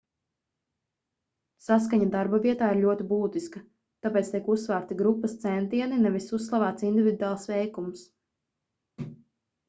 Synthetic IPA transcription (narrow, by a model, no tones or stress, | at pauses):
sas̬kaɲad̪aɾbavʲiɛt̪aːiɾʎʲuɔt̪ibuːt̪iskɐ | t̪apeːt̪st̪iɛkusvaːɾt̪iɡɾupːɐst̪sɛnt̪iɛninɛvisusːlˠavaːt̪sind̪ivʲid̪aːlˠsʋɛjkums